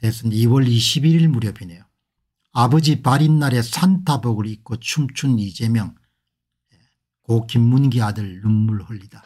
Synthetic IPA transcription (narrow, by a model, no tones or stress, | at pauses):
tesʰɯniwʌɭiɕʰibiɾiɭmuɾjʌbine̞jo | abʌd͡ʑipaɾinːaɾe̞sʰantʰabʌɡɯɭik͈ot͡ɕʰumt͡ɕʰunid͡ʑe̞mjʌŋ | e | kokimːunɡiadɯɭːumːuɭhʌʎːid̥a